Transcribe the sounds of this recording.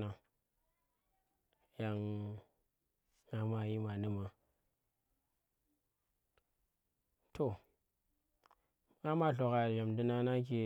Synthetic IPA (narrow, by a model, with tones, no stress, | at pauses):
na˨ | ja˨ŋ | ŋa˦ma˦ji˦ma˨ni˦ma˨ | to˨ | ŋa˦ma˦ɬo˨ka˨ja˨mdi˦na˦na˦k̬e˨